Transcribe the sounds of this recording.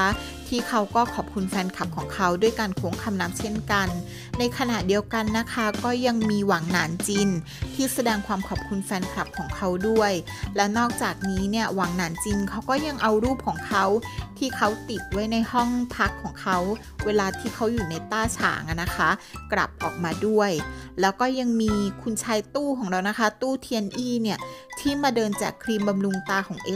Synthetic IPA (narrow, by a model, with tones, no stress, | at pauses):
t̪ʰiː˥˩kʰa˦˥wkɔː˥˩kʰɔː˨˩p̚kʰu˧nfɛː˧nkʰa˨˩p̚kʰɔː˩˦ŋkʰa˦˥wdu˥˩əjkaː˧nkʰoː˦˥ŋkʰa˧mna˦˥p̚t͡ɕʰe˥˩nka˧nː | a˧jkʰa˧na˨˩ʔdi˧əwka˧nːa˦˥kʰa˦˥kɔː˥˩ja˧ŋmiː˧waː˩˦ŋnaː˩˦nt͡ɕi˧n | t̪ʰiː˥˩sa˧dɛː˧ŋkʰwaː˧mkʰɔː˨˩p̚kʰu˧nfɛː˧nkʰla˨˩p̚kʰɔː˩˦ŋkʰa˦˥wdu˥˩əjlɛ˦˥wnɔː˥˩k̚t͡ɕaː˨˩k̚niː˦˥ni˥˩ɐwaː˩˦ŋnaː˩˦nt͡ɕi˧nkʰa˦˥wkɔː˥˩ja˧ŋʔa˧wɾuː˥˩p̚kʰɔː˩˦ŋkʰa˦˥wt̪ʰiː˥˩kʰa˦˥wt̪i˨˩t̪̚wa˦˥jna˧jhɔ˥˩ŋpʰa˦˥kʰːɔː˩˦ŋkʰa˦˥w | weː˧laː˧t̪ʰiː˥˩kʰa˦˥wjuː˨˩na˧jt̪aː˥˩t͡ɕʰa̰ː˩˦ŋʔa˨˩na˦˥kʰa˦˥kla̰˨˩p̚ʔɔː˨˩k̚maː˧du˥˩əjlɛː˦˥wkɔː˥˩ja˧ŋmiː˧kʰu˧nt͡ɕʰaː˧jt̪uː˥˩kʰɔː˩˦ŋɾa˧wna˦˥kʰa˦˥t̪uː˥˩t̪ʰiː˧ʔe˧nʔiː˥˩ni˥˩ɐt̪ʰiː˥˩maː˧dɤː˧nt͡ɕa̰ː˨˩kʰɾiː˧mba˧mɾu˧ŋt̪aː˧kʰɔː˩˦ŋʔe˦˥